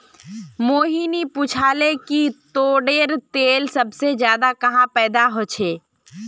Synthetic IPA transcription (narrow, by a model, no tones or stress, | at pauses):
moːɦiniput͡ʃʰaːlekit̪oːɖeːɾt̪eːlsɐbsed͡ʒjaːd̪akɐɦãpɛːd̪aɦoːt͡ʃʰeː